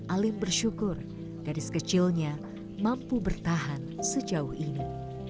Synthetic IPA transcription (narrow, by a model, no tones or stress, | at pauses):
ʔalɪmbərʃukʊr | ɡ̥adɪskət͡ʃɪlɲa | mampubərt̪aɦansəd͡ʒauhini